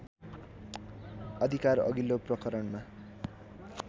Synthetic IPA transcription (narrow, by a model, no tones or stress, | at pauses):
ʌd̪ʱikarʌ̰ɡilːoprʌkʌɾʌɳma